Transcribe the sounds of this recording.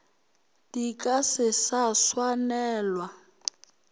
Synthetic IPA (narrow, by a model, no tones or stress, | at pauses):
tikʼasɪsaswanɛːlwa